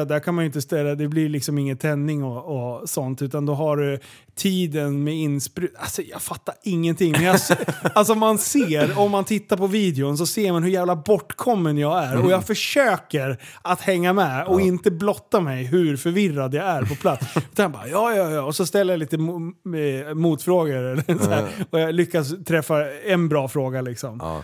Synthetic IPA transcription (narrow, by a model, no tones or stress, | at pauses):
d̪æɾkʰanmajʏɪnt̪əst̪ɛlːad̪ɛblɪɾlɪksɔmɪŋːənt̪ʰɛnːɪŋɔɔsɔnt̪ʉ̟ːt̪and̪ɔɦaɾ | t̪ʰiːd̪ənmɛɪnspɾʉːt̪alsɔjɑ̰ɡfat̪ːaɾɪŋːənt̪ʰɪŋːmmɛnjaals̬ɔɔmanseːɾɔmːant̪ʰɪt̪ːaɾpʰɔviːd̪ɛʊns̬ɔseːɾmanɦɵɾjæːvlabɔʈːkʰɔmːənjɑɡæɾɔjɑɡfœʂøːkəɾat̪hɛŋːamɛɔɪnt̪əblɔt̪ːamɛjɦʉɾfœɾvɪrːad̪jaæɾpʰɔpʰlat̪sʉt̪anjabɑ̰ːɾjɑːjɑːjɑːɔsɔst̪ɛlːəjaliːt̪əm | muːt̪fɾoːɡəɾɛlsæɾɔjɑlʏkːast̪ʰɾɛfːaɛnbɾɑːfɾoːɡalɪksɔm